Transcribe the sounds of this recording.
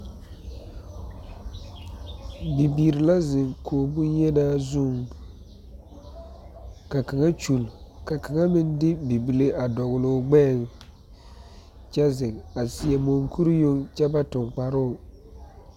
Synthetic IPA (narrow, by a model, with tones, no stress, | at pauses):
bi˨biː˨ɾɪ˨la˦zɪ˨ŋkʰoː˨bʊ˦jɛ˦naː˦zu˦˨ŋ | ka˨ka˨ŋa˦t͡ʃu˨lka˨ka˨ŋa˦mɪ˦ndɪ˦bi˨bi˨le˦ʔa˨dɔ˨ɣʊ˨lo˨ɡ͡bɛ˦˨ŋ | t͡ʃa˦zɪ˨ŋa˨sɪ˨ɛ˨mo˨ŋkʰu˦ɾi˦jo˦ŋt͡ʃɛ˦ba˦tʊ˨ŋk͡pa˨ɾʊ˦˨